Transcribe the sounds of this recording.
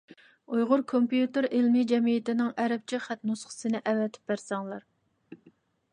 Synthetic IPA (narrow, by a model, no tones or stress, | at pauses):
ujʁʊɾkʰompjut̪ɨɾelmid͡ʒɛmijɪt̪ɪnɪŋɛɾɛp̚t͡ʃʰiχæt̪nusχə̥sɨnɪʔɛvɛt̪ʰɪ̥p̚bæɾsɛŋlˠɑɾ